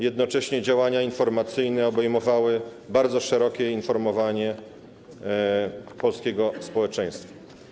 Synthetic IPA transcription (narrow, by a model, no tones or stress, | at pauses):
jɛd̪nɔt͡ʂɛɕɲɛd͡ʑawaɲainfɔɾmat̪sɘjnɛɔbɛjmɔvawɘ | baɾd̪zɔʂɛɾɔkʲɛinfɔɾmɔvaɲɛ | pɔlskʲɛɡɔspɔwɛt͡ʂɛ̃j̃st̪fa